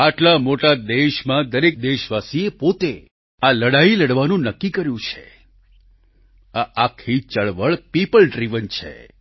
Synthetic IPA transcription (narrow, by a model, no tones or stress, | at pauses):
aʈlamoʈad̪eʃmãd̪əɾek̚d̪eʃʋasiepot̪e | aləɽailəɽʋanũnəkːikəɾjũt͡ʃʰḛ | aʔakʰːit͡ʃəɭʋəɭpipəlɖɾiʋənt͡ʃʰḛ